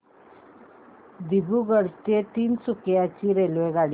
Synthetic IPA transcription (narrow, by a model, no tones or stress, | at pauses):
d̪ibuɡəɽst̪et̪iːnsukjat͡ɕiːɾelʋeɡaɽi